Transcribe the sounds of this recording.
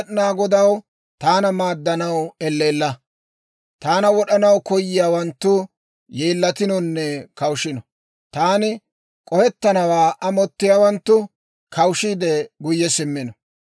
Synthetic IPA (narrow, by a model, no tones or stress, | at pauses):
ɗɪnaːɡɔd̪ɐw | t̪aːnɐmaːd̪ːɐnɐwɛlːe̞ːlːɐ | t̪aːnɐwɔɗɐnɐwkɔjːɪjaːwɐnt̪ːʊ | jeːlːɐt̪ɪnɔnːɛkɐwʃɪnɔ | t̪aːnɪ | kʼɔhɛt̪ːɐnɐwaːʔɐmɔt̪ːɪjaːwɐnt̪ːʊ | kʰɐwʃiːd̪ɛɡʊjːɛsɪmːɪnɔ